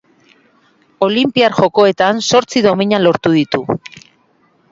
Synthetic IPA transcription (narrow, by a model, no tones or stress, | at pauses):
o̞limpiaɾʝo̞ko̞e̞t̪anso̞ɾt͡siðo̞miɲalo̞ɾt̪uðit̪u